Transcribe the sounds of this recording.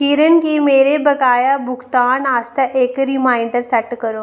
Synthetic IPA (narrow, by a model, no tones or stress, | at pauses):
kiːɾənkimeːɾebəkaːjabʱukt̪aːnast̪aʔeːkɾimaːiɳɖəɾsaʈkəɾo